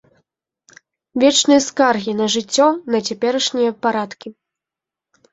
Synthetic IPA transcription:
vʲɛt͡ʂnɨjɐskarɣʲinɐʐɨt͡sʲːɔnɐt͡sʲapʲɛɾɐʂnʲijɐpaɾat̪kʲi

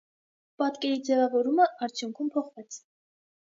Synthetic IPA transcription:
pɑt̪kɛɾid͡zɛvɑvɔɾuməʔɑɾt͡sʰjuŋkʰumpʰɔχvɛt͡sʰ

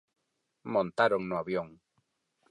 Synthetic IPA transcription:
mõnt̪aɾoŋnʊaβjoŋ

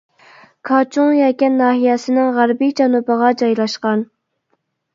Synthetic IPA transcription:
kʰɑt͡ʃʰuŋjɑkʲɛnːɑːɦijɛsɪnɪŋʁæɾbid͡ʒɑnubəʁɑd͡ʒɑjlˠɑʃqɑn

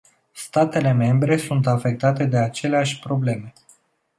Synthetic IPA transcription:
st̪at̪e̞le̞me̞mbɾe̞sunt̪afe̞k̚t̪at̪e̞d̪e̞at͡ʃe̞leaʃʲpɾo̞ble̞me̞

